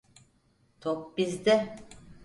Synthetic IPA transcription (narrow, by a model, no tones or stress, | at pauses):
t̪ʰopbizd̪ɛ